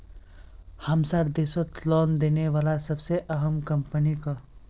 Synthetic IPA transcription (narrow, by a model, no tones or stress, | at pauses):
hamsaɾd̪eːsət̪lɔːnd̪eːneʋaːlasəbseʔəɦəmkəmpənika